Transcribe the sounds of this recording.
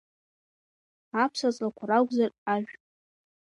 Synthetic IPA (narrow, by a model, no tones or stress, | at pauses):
apʰsat͡sʼakʷʰaraɡʷzaraʒʲʷᶣ